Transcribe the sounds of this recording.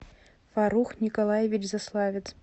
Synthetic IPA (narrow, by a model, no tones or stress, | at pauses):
faɾuxnʲɪkɐlˠajevʲɪt͡ʃzaslˠavʲɪt̪s